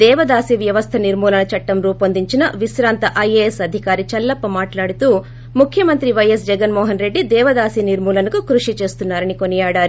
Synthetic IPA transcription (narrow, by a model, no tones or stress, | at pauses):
d̪ɛːʋɐd̪aːsiʋjɐʋɐst̪ʰɐniɾmuːlɐnɐt͡ʃɐʈːɐmɾuːpɐnd̪iɲt͡ʃinɐʋisɾaːnt̪ɐʔɐjeːesɐd̪ʱikaːɾit͡ʃɐlːɐpːɐmaːʈlaːɽut̪uː | mukʰjɐmɐnt̪ɾiʋɐjɐs̬d͡ʒɛɡɐnmɔːɦɐnɾe̞ɖːid̪ɛːʋɐd̪aːsiniɾmuːlɐnɐkukɾuʂit͡ʃe̞ːst̪unːaːɾɐnikonijaːɽaːɾu